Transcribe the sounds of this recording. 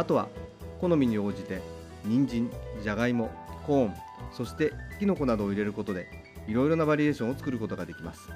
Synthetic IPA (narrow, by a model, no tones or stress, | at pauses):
at̪o̞β̞a̰ko̞no̞mʲiɲ̟io̞ːd͡ʑit̪e̞ | ɲ̟ĩɲd͡ʑĩɲd͡ʑaɡaimo̞kõ̞ːɴ | so̞ɕi̥t̪e̞kʲino̞ko̞nad̪o̞ːiɾe̞ɾɯ̟ko̞t̪o̞d̪e̞ | iɾo̞iɾo̞nabaɾʲie̞ːɕõot͡sɨ̥kɯ̟ɾɯ̟ko̞t̪o̞ɡad̪e̞kʲimasɨ̥